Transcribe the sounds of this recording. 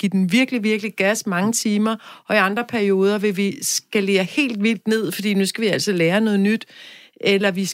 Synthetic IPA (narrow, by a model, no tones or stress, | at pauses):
ɡ̥id̥en̩ʋiɐɡ̥əliʋiɐɡ̥əliɡ̥æsmɑ̈ŋət͡sʰiːmɐʔɒ̽iɑ̈nd̥ʁɐpʰæɐio̝ːð̞ˠɐʋe̝ʋisɡ̥æle̝ːɐhe̝̰ːld̥ʋil̰d̥ne̝ð̞̰ˠfɒ̽d̥ḭːnusɡ̥æʋiæl̰sɐleːɐnɔ̽ːð̞̩ˠnyd̥ | ʔelɐʋi